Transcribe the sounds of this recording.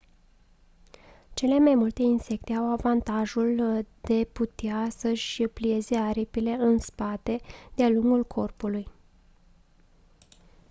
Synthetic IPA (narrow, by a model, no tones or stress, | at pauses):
t͡ʃe̞le̞majmult̪e̞inse̞k̚t̪e̞awavant̪aʒuld̪̥e̞put̪easəʃʲplie̞ze̞aɾipile̞ɨnspat̪e̞d̪̥ealuŋɡulkʰo̞rpuluj